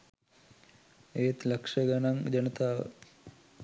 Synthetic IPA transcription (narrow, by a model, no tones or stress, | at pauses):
eːt̪lɐkʂəɡanaŋd͡ʒɐnət̪aːʋə̰